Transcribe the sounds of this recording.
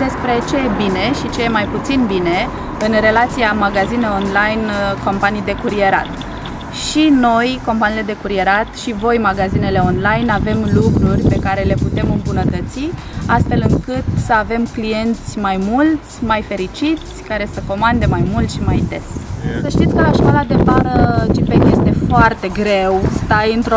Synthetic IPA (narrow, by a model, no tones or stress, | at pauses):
d̪e̞spɾe̞t͡ʃe̞jebine̞ʃit͡ʃe̞jemajput̪sinbine̞ | ɨnre̞lat̪siamaɡazine̞o̞nlajnko̞mpanijd̪e̞kuɾie̞ɾa̰t̪ | ʃino̞jko̞mpaniːle̞d̪e̞kuɾie̞ɾat̪ʃivo̞jmaɡazine̞le̞o̞nlajnave̞mlukɾurʲpe̞kaɾe̞le̞put̪e̞mɨmbunət̪ət̪si | ast̪fe̞lɨŋkɨt̪səave̞mklije̞nt̪sʲmajmult̪sʲmajfe̞ɾit͡ʃit̪sʲkaɾe̞səko̞mand̪e̞majmult̪ʃimajd̪e̞ssəʃt̪it̪sʲkəaʃkolad̪epaɾət͡ʃipekje̞st̪e̞foart̪e̞ɡɾe̞wst̪ajɨnt̪ɾ